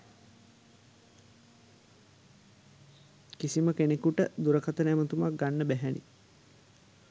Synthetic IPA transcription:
kisiməkenekuʈəd̪uɾəkat̪ənæmət̪umak̚ɡanːəbæɦænḭ

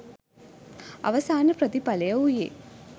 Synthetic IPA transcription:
ɐ̰ʋɐsaːnəpɾəd̪ipɐlɐjɐujḛː

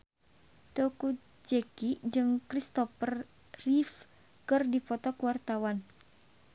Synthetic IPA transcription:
t̪oku | d͡ʒekid͡ʒɨŋkɾist̪ɔpər | rif | kɨrdipɔt̪ɔkuwart̪awan

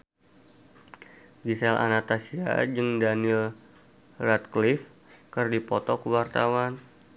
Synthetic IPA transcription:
ɡisɛla̰nat̪asia̰d͡ʒɨŋdanil | rat̪̚klif | kərdipɔt̪ɔkuwart̪awan

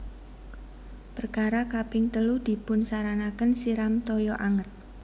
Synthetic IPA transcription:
pərkaɾakapɪŋt̪əlud̪̥i̤pʊnsaɾanakənsiɾamt̪ɔjɔʔaŋət̪̚

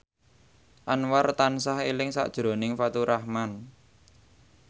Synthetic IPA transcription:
ʔanwart̪ansahelɪŋsa̰ʔd̥ʒ̥ɾo̤nɪŋfat̪uɾʔahman

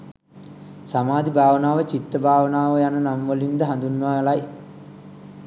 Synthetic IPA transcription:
samaːd̪ibʱaːʋənaːʋət͡ɕit̪ːəbʱaːʋənaːʋəjanənamʋolind̪əɦand̪unːaːlaj

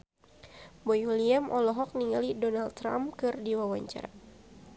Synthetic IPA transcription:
bɔjuliamʔɔlɔɦɔk̚niŋalidɔnalɾa̰mkɨrdiwawaɲt͡ʃa̰ɾa

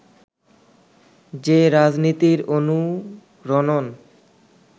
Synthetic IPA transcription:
d͡ʑeɾad͡ʑnit̪iɾonu | ɾɔnon

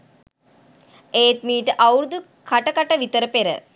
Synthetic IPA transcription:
eːʈ̪miːʈɨʔɐwɾud̪u | kʰaʈɐkɐʈɐʋit̪əɾəpeɾə̰

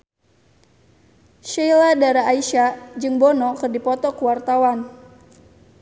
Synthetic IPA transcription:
ʃɛladaɾaːiʃad͡ʒɨŋbɔnɔkɨrdipɔt̪ɔkuwart̪awan

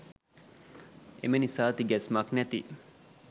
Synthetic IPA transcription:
ḛmenisaːt̪iɡɛsmɐknæt̪ḭ

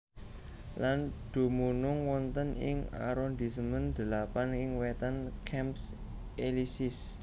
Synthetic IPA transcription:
land̪̥o̤munʊŋwɔnt̪ənɪ̰ŋa̰ɾɔnd̪isəmənd̪̥ə̤lapanɪŋwɛt̪ənkʰɛmps | elisɪs

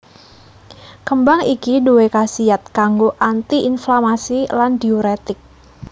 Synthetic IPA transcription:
kəmbaŋikiduwekasiat̪̚kaŋɡoʔant̪iʔinflamasilandioɾet̪ɪk̚

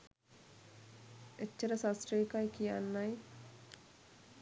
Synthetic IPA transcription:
et͡ʃːəɾəsasɾeikajkijanːaj

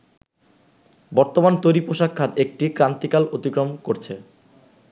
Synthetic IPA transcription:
bɔɾt̪omant̪ojɾipoʃakʰːat̪ek̚ʈikɾant̪ikalot̪ikɾomkoɾt͡ɕʰe

